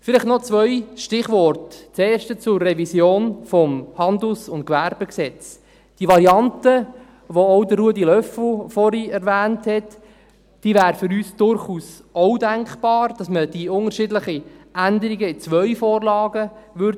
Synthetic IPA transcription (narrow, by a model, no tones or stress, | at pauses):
fɪlɪχtnɔt͡sʋœʏʃtɪχʋɔrtt͡seːʃtət͡sʊrːɛvisjoːnfɔmhɑnd̪l̩sʊnt̚kʋæɾb̥əksɛt͡s | d̥iʋɑɾiɑntə | ʋoɔʊdəːuədilœfl̩fɔɾiɛɾvæːnthɛt | d̥iːvæːɾəfʏɾyːsd̥ʊɾχuːs | ɔwdæŋkb̥ɑːɾd̥ɑsməd̥iʊŋəɾʃɪdləχiʔændəɾiɡəɪt͡sʋœɥfoːɾlɑːɡəʋʏɾd